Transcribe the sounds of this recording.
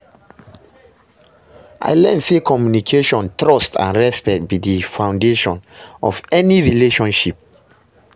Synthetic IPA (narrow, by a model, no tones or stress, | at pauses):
ʔa̰ɪlɛ̃nsikʰɔmjunikʰeʃɔ̃ntɹɔstã̰nɹɛspɛk̚t̚bidifãw̃ndeʃɔ̃nɔ̰vɛniɹileʃɔ̃nʃip̚